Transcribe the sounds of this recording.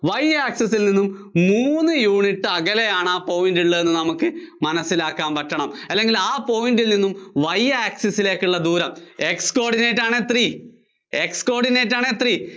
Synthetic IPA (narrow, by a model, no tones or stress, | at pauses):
ʋɐjaːksɐsːilninːum | muːnːɨjuːɳiʈːɨɐɣɐlejaːɳaːpo̞ːjindiɭːɐenːɨnɐmukːɨmɐnɐsːilaːkːaːmpɐtːɐɳɐmɐlːe̞ŋɡilaːpo̞ːjindilninːumʋɐjaːksɐsːile̞ːkːuɭːɐd̪uːɾɐme̞ksko̞ːrɖineːtːaːɳeːt̪riː | e̞ksko̞ːrɖineːtːaːɳeːt̪riː